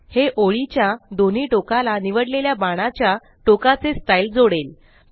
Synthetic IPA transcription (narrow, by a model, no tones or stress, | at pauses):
heʔoɭit͡ɕjad̪on̤iːʈokalaniʋəɽleljabaɽ̃at͡ɕja | ʈokat͡sesʈajild͡zoɽel